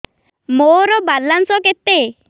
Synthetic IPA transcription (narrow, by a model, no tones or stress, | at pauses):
moɾɔbalansɔket̪ːe